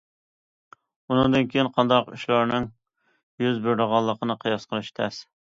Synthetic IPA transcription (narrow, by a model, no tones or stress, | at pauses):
unɨŋd̪ɨnkʲʰejinqʰɑnd̪ɑqṵʃlˠɑɾnɨŋ | jyzbøɾɾəʁɑlˠːəqʰənɨqʰəjɑsqəɾɨʃt̪ʰɛs